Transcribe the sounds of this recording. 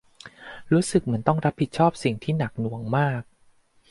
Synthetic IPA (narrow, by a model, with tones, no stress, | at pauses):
ɾuː˦˥sɯ˨˩k̚mɯ˩˦ənt̪ɔ˥˩ŋɾa˦˥pʰːi˨˩t̪̚t͡ɕʰɔː˥˩p̚si˨˩ŋt̪ʰiː˥˩na˨˩k̚nu˨˩˦əŋmaː˥˩k̚